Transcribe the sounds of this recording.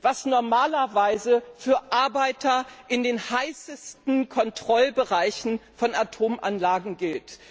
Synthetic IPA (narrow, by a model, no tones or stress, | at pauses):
v̥asnɔɐmaːlɐvaɪzəfyːɐʔaɐbaɪtʰɐʔɪndeːnhaɪsəstn̩kʰɔntʁ̥ɔlbəʁaɪçn̩fɔnatʰoːmʔa̰nlaːɡŋ̩ɡɪlt